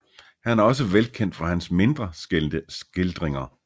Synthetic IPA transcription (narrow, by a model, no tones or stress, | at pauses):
hænæɐɒ̽səʋelkʰen̰d̥fɑ̈hænsme̝nd̥ʁɐsɡ̥el̰nd̥əsɡ̥e̝ld̥ʁeŋɐ